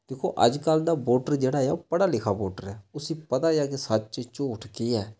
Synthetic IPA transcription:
d̪̥ekʰo̰ːʔə̰d͡ʒkəld̪aːboːʈəɾd͡ʒeːɽaːjaːpəɽaːlɪkʰaːboːʈəɾɛːʊsĩːpət̪aːejaːkesət̪t͡ʃt͡ʃoːʈʰkiɛː

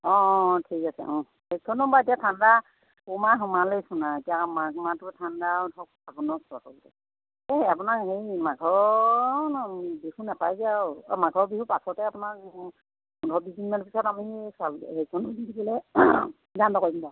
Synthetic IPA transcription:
ɔ̃tʰikasɛ̰ʔɔ̃ | hejtʰɔnɔmbaetijatʰanda | kumaɦɔmalejsunaetijamakmatʊtʰandaudʰɔk̚abɔnɔstɔtɔltɛ | ɛap̬ʊnakhejmaɡʱɔɹnbihunapajzawmaɡʱɔbihupasɔtɛapʊnak | ɔndʰʱɔbizinmanpisɔtamisalhejtʰɔnɔdidibɔlɛ | dandɔkɔjimba

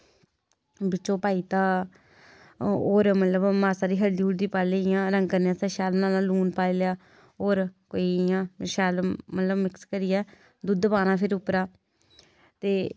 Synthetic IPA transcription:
bɪt͡ʃːt͡ʃːʃõːpaːiːt̪ãː | oːɾmət̪ləbmaːsaːd̪iːɦəɽdiːʊɽd̪iːpaːleːɪjãːɾəŋɡkəɾnːãːsəʃɛːlmnãːnaːluːnpaːljaː | oːɾkoːiːjãːʃɛːlmət̪ləbmɪkskəɾɪjɛː | d̪ʊd̪paːnãːpʰɪɾʊpɾaː | t̪eː

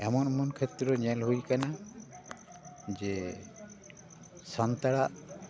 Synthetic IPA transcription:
ɛmɔnmɔnkʰet̪ɾɔɲɛlɦujkana | d͡ʒɛ | sɔnt̪aɽaʔ

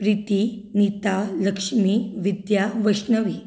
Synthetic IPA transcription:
pɾit̪init̪aləkʂmiːʋid̪jaʋəʂnəʋiː

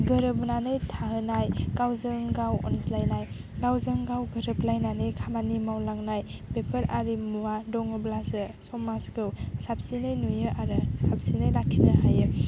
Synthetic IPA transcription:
ɡɯɾɯbnanɯjtʰaɦɯnajɡawzɯŋɡawɔ̰nslajnaj | ɡawzɯŋɡawɡɯɾɯblajnanɯjkʰamanimawlaŋnajbepʰəɾaɾimuwadɔŋɯblasɯsɔmaskɯwsap̚sinɯjnujɯʔaɾɯsap̚sinɯjlakʰːinɯɦajɯ

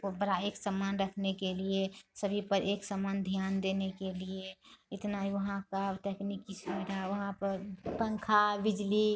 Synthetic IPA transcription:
obəɾaeːksəmaːnɾəkʰnekeliesəbʱipəɾʔeksəmand̪ʱjaːnd̪enekelieɪt̪naɦiʋəɦãkaʈeknikismiɾaʋɐɦãpəɾpəŋkʰabɪd͡ʒli

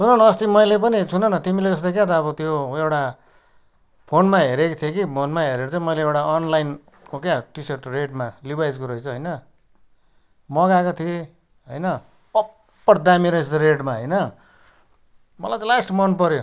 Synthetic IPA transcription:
sʰunʌnʌːst̪imʌjlepʌnit͡sʰunʌnʌt̪imiled͡zʌst̪akjat̪ʌːβʌt̪joewʈa | pʰonmaɦeɾekt̪ʰijekimʌnmaɦeɾeɾʌt͡saĩmʌjleewʈaʌnlajn | kokjaʈisʌrʈreʈmalibajd͡zkoɾʌit͡sʰʌɦʌjnʌ | mʌɡakot̪ʰie | ɦʌjnʌ | ʌ | pːʌʈd̪amiɾʌisʰɾeʈmaɦʌjnʌ | mʌlajt͡salasʈmʌnpʌɾjo

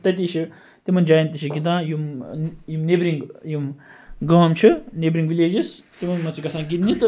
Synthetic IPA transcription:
t̪ɐt̪̬iʃi | t̪imɐnd͡ʒaːjnt̪iʃiɡid̪ãːjumjimnebɾiŋɡjim | ɡɐːmt͡ʃʰinebɾiŋɡʋileːd͡ʒis | t̪imɐnmɐt͡sʰikɐsãːɡit̪nit̪ɨ

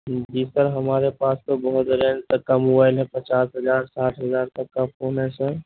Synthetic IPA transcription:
d͡ʒiːst̪əɾɦəmaːɾepaːst̪obəɦʊt̪ɾẽnt̪əkːamobaːɪlɦɛ̃pət͡ʃaːsɦəd͡ʒaːɾsaːʈʰɦəzaːɾt̪əkːapʰoːnɛsə̃

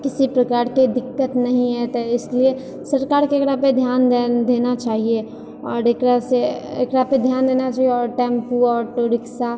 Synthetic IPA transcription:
kɪsipɾɐkaːɾked̪ɪkːət̪nɐɦĩɦɛt̪oɪslie | səɾkaːɾkeeːkɾaped̪ʱjaːnd̪eːnat͡ʃaːɦie | ɔːɾekɾaseḛːkɾaped̪ʱjaːnd̪eːnat͡ʃaːɦieɔːɾʈɛ̃ːmpuɔːɾʈoɾɪksa

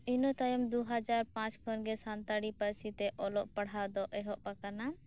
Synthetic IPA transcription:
inɔt̪ajɔmd̪uɦad͡ʒaɾpãt͡ʃkʰɔnɡɛsant̪aɽipəɾsit̪ɛʔɔlɔʔpəɽɦad̪ɔʔɛɦɔʔpakana

